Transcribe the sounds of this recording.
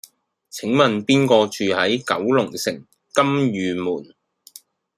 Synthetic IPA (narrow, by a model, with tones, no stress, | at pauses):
t͡sʰɪ˨˥ŋmɐ˨npiː˥nkɔː˧t͡ʃyː˨hɐ˨˥jkɐ̰˨˥wlʊ˨˩ŋsɪ̰˨˩ŋ | kɐ˥mjyː˨˧muː˨˩n